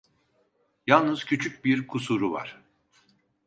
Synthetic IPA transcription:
jalˠnɯz̥cʰyt͡ʃʰyc̚biɾkʰusuɾuva̰ɾ̥

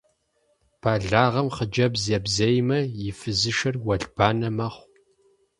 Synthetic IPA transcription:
pʰaːɮaːʁɐmχəd͡ʒɐbzɐbzɐjmɐjɪfɨzɨʃɐrwɐɮbʰaːnɐmɐχʷ

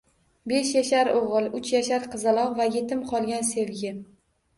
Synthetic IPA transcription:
be̞ʃjaʃaɾoʁɨlˠʊt͡ʃʰjaʃaɾqʰɨzɨlˠɒʁvajet̪ʰɪmqʰɒlˠɡʲanse̞vɡʲɪ

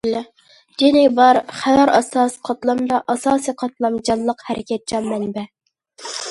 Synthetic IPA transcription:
l | d͡ʒenɪbɑɾχæjɑɾɑ̰sɑsqʰɑt̪lˠɑmd̪ɑʔɑsɑːsɨjqʰɑt̪lˠɑmd͡ʒɑnlˠəqhɛɾʔɪkʲʰɛt̪̚t͡ʃʰɑmmɛnbɛ

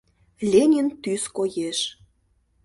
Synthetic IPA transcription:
lʲenʲint̪yskojeʃ

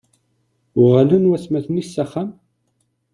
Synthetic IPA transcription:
ʊʁalunwæsmæθnisːæχːæm

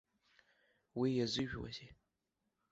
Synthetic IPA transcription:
wijazɨʒᶣwa̰ze

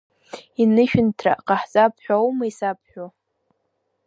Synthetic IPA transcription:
inɨʃᶣɪntʰra̰qʼaħt͡sʼapʰħʷᶣawmaisapʰħʷᶣo

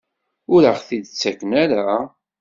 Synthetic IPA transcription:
ʊɾəχθid̪t͡sːækːənæɾa

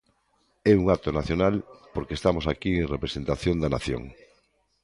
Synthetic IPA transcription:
ɛuŋat̪onaθjonalpoɾkest̪amosakieŋrepɾesent̪aθjõnd̪anaθjo̰ŋ

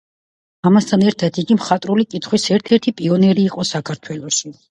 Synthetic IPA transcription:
amast̪ʰanɛɾt̪ʰad̪iɡimχat̪ʼɾulikʼit̪ʰχwisɛɾt̪ʰɛɾt̪ʰipʼiɔnɛɾiːqʼɔsakʰaɾt̪ʰwɛlˠɔʃi

